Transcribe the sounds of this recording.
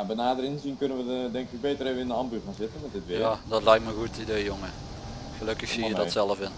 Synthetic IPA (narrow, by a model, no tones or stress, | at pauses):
abənaːdərɪnzinkɵnənʋəədɛŋkɪk̚beːtəreːʋəɪndəɑmbyanzɪtənmɛtdɪtʋɪadɔtlɛjk̚tməɣuətidejjoŋə | xəløkəxsijədɔsɛlˠəfɪn